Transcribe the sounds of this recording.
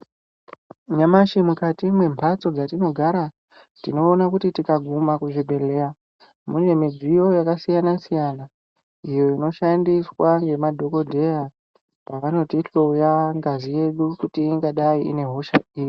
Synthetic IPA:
ɲamaʃimukatimwe̞mpʰat͡so̞d͡zatino̞ɡʱaɾa | tino̞ːnakutitikaɡʱumakuʐibʱe̞le̞ɾa | mune̞mid͡zijo̞jakasijanasijana | ijo̞ino̞ʃandiswaŋɡe̞madʱo̞ko̞dʱe̞ja | paʋano̞tiɬojaŋɡazije̞ɗukutiːŋɡaɗaiḭne̞ɦo̞ʃaiːji

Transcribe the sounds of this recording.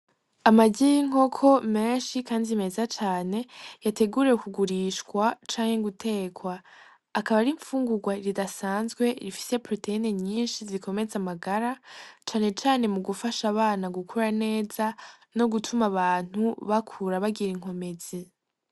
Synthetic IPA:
amaɟijiŋ̥o̞kʰo̞me̞ːʃikaːndime̞zat͡ʃaːne̞jate̞ɡuːɾekuɡuɾiːʃkwat͡ʃaːŋ̥eŋɡutʰe̞ːkwaː | kaβaɾiɱfuːŋɡuɡwaɾidasaːnzɡwe̞ɾifi̥se̞pɾo̞te̞ineɲiːnʃizikʰo̞me̞zamaɡaɾat͡ʃaːne̞t͡ʃaːne̞muɡufaʃaβaːnaɡukʰuɾane̞ːza | no̞ɡutʰumaβaːn̥huβakʰuɾaβaɡiɾiŋ̥o̞me̞z̥i

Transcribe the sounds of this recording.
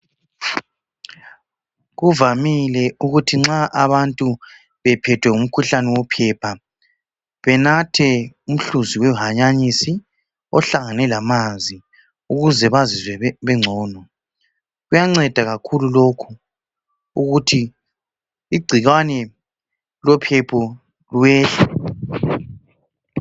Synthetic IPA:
ɣuvamilɛuɣutʰiŋ͡ǁaʔaβantʼu | βɛpʰɛtʰwɛum̩kʰuɬanɛwɔpʰɛpʰa | βɛnatʰɛ | um̩ɬuziwɛɦaɲaɲisi | ɔɬaŋanɛlamazi | uɣuzɛβazizwɛβɛŋ͡ǀʱɔːnɔ | ɣujaŋ͡ǀɛd̥ʱaɣakʰululokʰu | uɣutʰiː | ɡ͡ǀʱiɣwanɛ | lwɔpʰɛpʰɔ | lwɛːɬɛ

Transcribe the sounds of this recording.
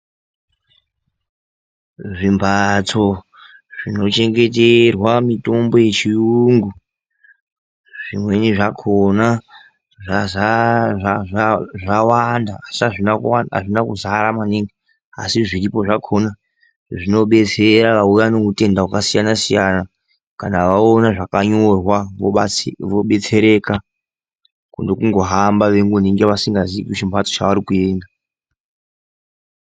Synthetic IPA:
ʐimbʱat͡so̞ | ʐ̥ino̞t͡ʃe̞ŋɡe̞t̬erwamito̞mbo̞je̞t͡ʃijuŋɡu | ʐ̥imwe̞niʐakʰona | ʐaaaaʐawandaːsiaʐinaa̰ʐinakuzaɾamaniŋɡi | a̰siʐiripo̞ʐakʰona | ʐino̞ɓe̞t͡se̞ɾaʋaujano̞mute̞ndaɦwakasijanasijana | kanaʋao̞naʐakaɲo̞rwaʋoʋoɓe̞t͡se̞ɾe̞ka | kundokuŋɡo̞ɦambaʋeŋɡuneŋɡeʋasiŋɡazikuʃimbato̥t͡ʃaʋaɾikue̞ːnda

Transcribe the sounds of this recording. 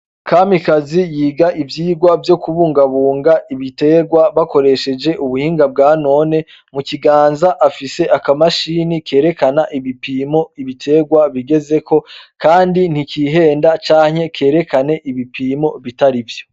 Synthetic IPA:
kʰamikazijiːɡaʔivjiːɡwavjo̞kuβuːŋɡaβuːŋɡaʔiβite̞ɡwaβako̞ɾe̞ʃe̞d͡ʒe̞ʔuβuhiːŋɡab̚ɡaːno̞ne̞ | mukiɡaːnzaʔafise̞ʔakamaʃiːnikʰe̞ːɾe̞kanaʔiβipiːmo̞iβitʰe̞ːɡwaβiɡe̞ze̞kʰo̞kaːndin̥ikiɦe̞ːndat͡ʃaːɲhe̞kʰe̞ːɾe̞kane̞ʔiβipiːmo̞βitaɾivjo̞

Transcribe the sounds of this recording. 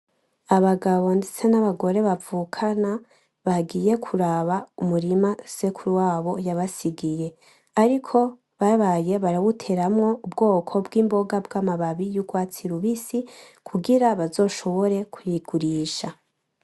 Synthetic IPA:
aβaɡaβo̞ndet͡senaβaɡo̞ɾe̞βavuːkʰana | βaɡije̞kʰuɾaβaumuɾimase̞kʰuɾuwaːβo̞jaβasiɡije̞ | aɾikʰo̞ | βaβaje̞βaɾaβutʰe̞ɾamŋo̞ʔubɡo̞ːkʰo̞bɡiːmbo̞ɡabɡaːmaβaβijuɡwaːt͡siɾuβisi | kʰuɡiɾaβazo̞ːʃo̞βo̞ɾe̞kʰujiɡuɾiːʃa

